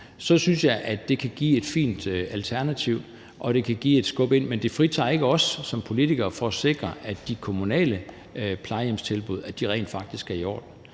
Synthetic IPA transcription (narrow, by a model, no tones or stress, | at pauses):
sɒ̽synsjɑ̈ɪʔæd̥e̝kʰæɡ̥ḭːe̝d̥fḭːnd̥ælt͡sʰæɐnæt͡sʰiʊ̰ | ʔɒ̽ɾ̥e̝kʰæɡ̥ḭːe̝d̥sɡ̥ɔ̽b̥e̝n̰mend̥e̝fʁit͡sʰɑ̰̈ːe̝ɡ̥əɒ̽sːɒ̽mpʰo̝lit͡sʰiɡ̥ɐːfɒ̽æse̝ɡ̥ʁɐʔæ̥d̥ikʰo̝munɛ̰ːlə | pʰlɑ̈ɪemst͡sʰe̝lb̥uð̞ˠæd̥iʁɛ̰ɪnd̥fɑ̈ɡ̥̚d̥isɡ̥æɐiɒ̰ːd̥n̩